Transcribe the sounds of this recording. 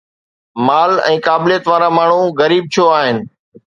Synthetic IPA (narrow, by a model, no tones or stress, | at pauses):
maːlɛ̰̃ːkaːblijət̪ʋaːɾaːmaːɳ̤ũːɣəɾiːb̚t͡ʃʰoːaːɦɪnɪ̆